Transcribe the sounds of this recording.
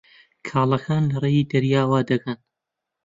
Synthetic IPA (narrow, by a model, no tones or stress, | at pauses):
kʰaːlˠɐkʰaːnlɐreːjiːd̪ɐɾjaːwaːd̪ɐkʰɐn